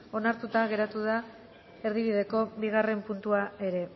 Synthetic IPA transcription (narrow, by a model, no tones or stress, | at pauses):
o̞naɾt̪ut̪aɣe̞ɾat̪uða | e̞ɾðiβiðe̞ko̞βiɣ̞are̞mpunt̪uae̞ɾe̞